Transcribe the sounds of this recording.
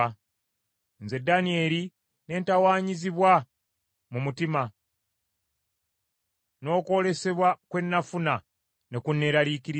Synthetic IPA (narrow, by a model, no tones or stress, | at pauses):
nze̞danie̞li | ne̞ːntawaːɲiziβwa | mumutima | no̞ːko̞le̞se̞βwakwe̞nːafuna | ne̞kunːe̞ɾalikiɾi